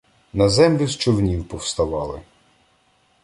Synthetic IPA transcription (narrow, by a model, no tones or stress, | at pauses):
nɐzɛmlʲʊst͡ʃɔʋnʲiwpɔwst̪ɐʋɑlˠɪ̰